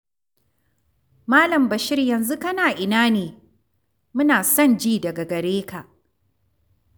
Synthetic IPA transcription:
maː˦lɐ˨mbɐ˨ʃɪ˦rjɐ˨nzu˦kɐ˦naː˨ʔɪ˨naː˦neː˨ | mʊ˦naː˨sɐ˦˨nd͡ʒiː˦˨dɐ˨ɡa˨ɡɐ˨ɽeː˦ka˨ʔ

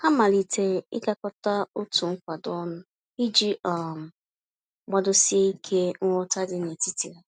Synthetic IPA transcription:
ha˦ma˨li˨te˨ɪ̰˦ka˦kɔ˦ta˦o˦tu˨ŋ̩˦kʷa˨dɔ˦nʊ˦ | i˦d͡ʒi˦ʔa˨m̩˨ | ɡ͡ba˦dʊ˦si˦e˦i˦kʰe˦ŋ̩˦ɔ˦ta˦dɪ˨ne˨ti˦ti˨ɾe˨

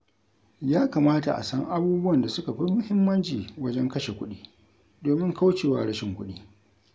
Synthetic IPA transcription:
jaː˦ka˨maː˦ta̰˨ʔa̰˨sɐ˦ŋʔa˦buː˦bwɐ˨nda˨sʊ˦ka˨ɸɪ˦mʊ˦hɪ˦mːɐ˦nt͡ʃiː˨wɐ˦d͡ʒɛ˦ŋkɐ˦ʃe˨kʷʊ˦ɗiː˦ | doː˨mɪ˦ŋka˦wt͡ʃeː˨wa̰ː˦ɽɐ˦ʃɪ˨ŋkʷʊ˦ɗiː˦

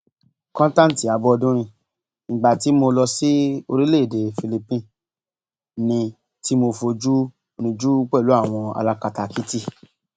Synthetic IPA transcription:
kɔ̃˦n˦tã˦n̩˨ti˨a˨˧bɔ˦ɔ˧dũ˦ɾ̃ĩ˧ | ŋ̩˨ɡ͡ba˨ti˨˦mo˧lɔ˧si˦o˧ɾi˦le˦˨de˨fi˧li˧pĩ˧ | nĩ˧ | ti˦mo˧fo˧d͡ʒu˦ | o˧nĩ˧d͡ʒu˦k͡pɛ˦˨lu˨˦a˦˨w̃ɔ̃˧a̰˧la˧ka˨ta˨ki˦ti˦

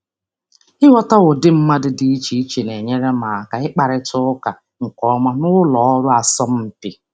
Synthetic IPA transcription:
ɪ˦wɔ˦ta˦ɣʊ˨dɪ˦m̩˦ma˦dʊ˨di˦i˦t͡ʃi˦i˦t͡ʃi˨ne˨ɲe˦ɾe˦ma˨ka˨ɪ˦k͡pa˨ɾɪ˨tʊ˦ʊ˦ka˨ | ŋ̩˨kɔ˨˦ma˦nʊ˦lɔ˨ɔ˦ɾʊ˦a˨sɔ˦m̩˦m̩˨pi˨

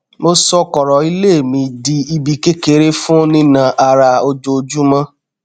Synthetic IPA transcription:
mo˦sɔ˦kɔ˨ɾɔ˨i˦le˦˨mĩ˧di˧i˧bi˧ke˦ke˧ɾe˦fũ˦nĩ˦nã˧ʔa˧ɾa˧o˧d͡ʒo˧d͡ʒu˦mã˦

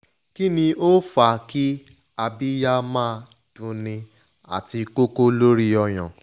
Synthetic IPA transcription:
ki˦nĩ˧o˦fa˨ki˦ | a˧bi˦ja˦mãː˦˧ | d̥ũ˧nĩ˧ | a̰˨ti˧ko˦ko˦lo˦ɾi˦ɔ˧j̃ã̰˨

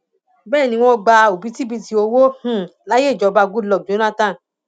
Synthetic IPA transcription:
bɛː˦˨nĩ˧w̃ɔ̃˧ɡ͡ba˧o˨bi˨˦ti˦bi˦˧ti˧o˧wo˦h̩˦˨la˦je˦˨d͡ʒɔ˨˧ba˧ɡu˦lɔ˨d͡ʒo˨˦nã˦tã˦˨

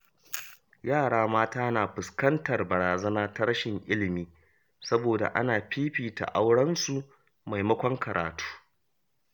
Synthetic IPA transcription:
jaː˦˨ɽaː˦maː˦taː˦naː˨ɸʊ˨skɐ˦ntɐ˨rbɐ˨ɾaː˨zɐ˦naː˦ta˦ɾɐ˦ʃɪ˨ŋʔɪ˦lɪ˨miː˦ | sɐ˦boː˨da̰˨ʔa̰˦naː˨ɸiː˦ɸiː˨ta̰˨ʔa˦wɽɐ˦nsu˨ | ma˨jmɐ˦kʷɔ˦ŋkɐ˨ɾa̰ː˨tu̥ː˦

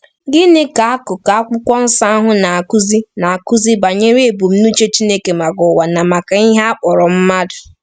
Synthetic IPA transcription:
ɡɪ˦nɪ˦ka˨a˦kʊ˨ka˨a˦kʊ˦kʷɔ˦n̩˦sa˦a˦ɦʊ˦na˨a˨ku˦zi˦na˨a˨kʊ˦zi˦ba˨ɲe˦ɾe˨bu˨m̩˦nu˦t͡ʃe˦t͡ʃi˦ne˦ke˨ma˨ɡɔ˨wa˨na˨ma˨ka˨i˦ɦa˦a˦k͡pɔ˨ɾɔ˨m̩˦ma˦dʊ˨

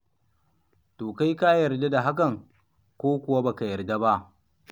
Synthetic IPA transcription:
toː˨ka˦jka˦jɐ˨rda˦da˨ɦa˦k̬ɐ˨ŋ | kʷoː˦kʷʊ˨wa˦ba˨ka˨jɐ˨rda˦ba˦ʔ

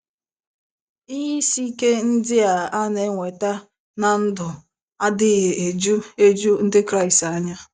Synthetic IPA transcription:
i˦ɦi˦si˦ke˦n̩˦dɪ˦a˨a˦ne˨˦ŋʷe˨ta˦ | na˨n̩˦dʊ˨ | a˦dɪ˦ɣe˨ʔe˨d͡ʒu˦e˦d͡ʒu˦n̩˦dɪ˦kɾa˦ɪ˨sta˨ɲa˦

